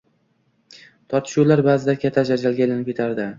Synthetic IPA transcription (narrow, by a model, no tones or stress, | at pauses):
t̪ʰɒɾt̪ʰɪ̥ʃulaɾbaːzɪd̪akʲʰat̪ʰːad͡ʒad͡ʒalɡʲaelanɪp̚kʲet̪ʰaɾd̪ɪ